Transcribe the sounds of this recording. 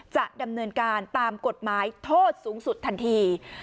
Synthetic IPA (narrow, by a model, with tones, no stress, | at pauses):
t͡ɕa˨˩ʔ̚da˧mnɤː˧nkaː˧nt̪aː˧mko˨˩t̪̚maː˩˦jt̪ʰoː˥˩t̪̚suː˩˦ŋsu˨˩t̪ʰːa˧nt̪ʰiː˧